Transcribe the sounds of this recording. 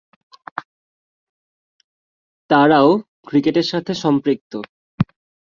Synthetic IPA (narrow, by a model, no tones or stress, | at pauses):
t̪aɾao | kɾikeʈeɾʃat̪ʰeʃɔmpɾik̚t̪o